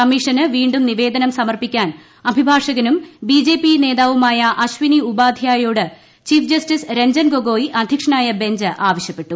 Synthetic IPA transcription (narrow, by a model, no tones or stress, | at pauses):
ɐmiʂɐnɨʋiːɳɖumniʋe̞ːd̪ɐnɐmsɐmɐrpikʲːaːn | ɐbʱibʱaːʂɐɣɐnumbiːd͡ʑe̞ːpine̞ːðaːʋumaːjɐʔɐɕʋiniubaːd̪ʱjaːjoːɽɨ | t͡ɕiːfd͡ʑɐstisɾe̞ɲd͡ʑɐnɡoɡo̞ːjiʔɐd̪ʱjɐkʂɐɳaːjɐbe̞ɲd͡ʑɨʔaːʋɐɕjɐpːe̞ʈːu